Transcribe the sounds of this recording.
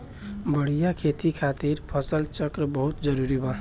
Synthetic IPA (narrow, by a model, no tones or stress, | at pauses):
bəɽ̤ijakʰet̪ikʰat̪iɾpʰəsəlt͡ʃəkɾəbəɦut̪d͡ʒəɾuɾibʱa